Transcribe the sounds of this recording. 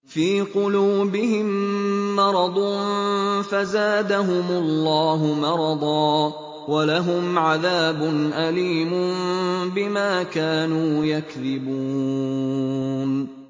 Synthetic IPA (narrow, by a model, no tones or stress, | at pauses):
fiːqʊluːbɪɦɪmːɑɾˤɑd̪ˤʊnfazaːd̪aɦʊmʊlːɑːɦʊmɑɾˤɑd̪ˤɑː | walaɦʊmʕaðaːbʊnʔaliːmʊnbɪmaːkaːnuːjakðɪbuː | n